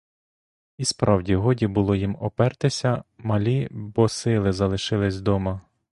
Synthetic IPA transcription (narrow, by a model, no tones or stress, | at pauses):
ispɾɑwdʲiɦɔdʲibʊlˠɔjimɔpɛrt̪ɪsʲɐmɐlʲibɔsɪlˠɪzɐlˠɪʃɪlˠɪsʲd̪ɔmɐ